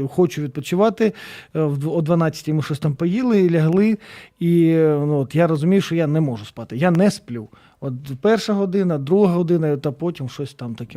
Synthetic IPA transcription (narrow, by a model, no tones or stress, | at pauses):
xɔt͡ʃʊʋʲid̪̚pɔt͡ʃʊʋɑt̪ɪwɔd̪ʋɐnɑt͡sʲːɐ̥tʲimɪʃɔsʲt̪ɑmpɔjilˠɪlʲɐɦlˠɪinuɔt̪jaɾɔzʊmʲijʊʃt͡ʃɔjanɛmɔʒʊspɑt̪ɪjanɛsplʲuw | ɔt̪pɛrʃɐɦɔd̪ɪnɐd̪ɾuɦɐɦɔd̪ɪnɐit̪ɐpɔtʲimʃɔsʲt̪ɑmt̪ɐkʲɛ